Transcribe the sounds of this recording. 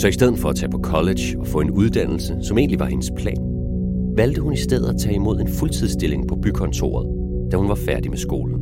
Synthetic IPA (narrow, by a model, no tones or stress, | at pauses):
sɒ̽isd̥eð̞̰̩ˠfɒ̽æt͡sʰɛ̰ːpʰɒ̽kʰɒ̽le̥ɕ | ɒ̽fɔ̽ːe̝nuð̞ˠd̥æn̰l̩səsɒ̽me̝̰ːnliʋɑ̈he̝nəspʰlɛ̰ːn | ʋæld̥əhunisd̥eð̞̰ˠæt͡sʰɛ̰ːimo̝ð̞̰ˠe̝nfult͡sʰið̞̰ˠsd̥e̝le̝ŋpʰɒ̽b̥ykʰɒ̽nt͡sʰo̝̰ːɐð̞ˠ | d̥æhunʋɑ̈fæɐd̥imesɡ̥o̝̰ːln̩